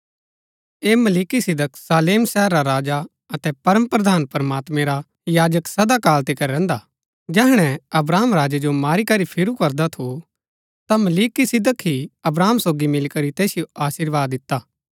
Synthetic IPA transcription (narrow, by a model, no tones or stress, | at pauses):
eːmɐliːkisɪd̪ʱəksaːleːmsɛːɾːaɾaːd͡ʒa | ɐt̪ɛpɐɾəmpɾɐd̪ʱaːnpɐɾəmaːt̪mẽɾa | jaːd͡ʒəksɐd̪akaːlt̪ekɐɾɾɛ̃ːnd̪a | d͡ʒɛːɦɽ̃ɛ̃ɐbɾaːmɾaːd͡ʒed͡ʒomaːɾikɐɾipʰɪɾukɐɾd̪at̪ʰo | t̪amɐliːkisɪd̪əkɦiɐbɾaːmsoːɡimɪlkɐɾit̪ɛːsijoʔaːsiɾʋaːd̪ːɪt̪ːaː